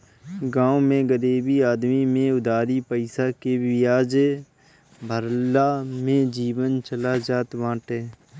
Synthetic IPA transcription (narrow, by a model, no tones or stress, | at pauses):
ɡãːomẽɡəɾiːbiaːd̪mimẽʊd̪aːɾipəɪsakebɪjaːd͡ʒe | bʱəɾlamẽd͡ʒiːwənt͡ʃəlad͡ʒaːt̪ʋãːʈeː